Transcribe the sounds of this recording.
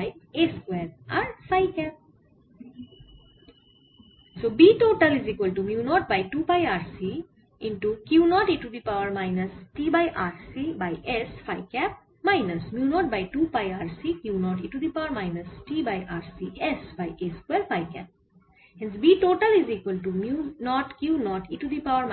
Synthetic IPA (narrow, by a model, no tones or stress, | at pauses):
jeskweːɾaɾfajkɛp̚ | sobiːʈoːʈəlizikwəlʈumjunɔːʈ̚bajʈupajaːɾsi | ɪ̃nʈukjuːnɔːʈiʈud̪ipawəɾmaɪnɐsʈiːbajʔaːɾsibajʔesfaɪkɛp̚ | maɪnɐsmjunɔːʈ̚baɪʈuːpajaːɾsikjuːnɔːʈiʈud̪ipaʊəɾmaɪnɐsʈiːbajʔaːɾsiʔɛsbajʔeskwɛlfaɪkɛ̰p̚ | hɛ̃nsbiʈoːʈəlizikwəlʈ̬umjunɔːʈkjuːnɔːʈiʈud̪ipaʊəɾm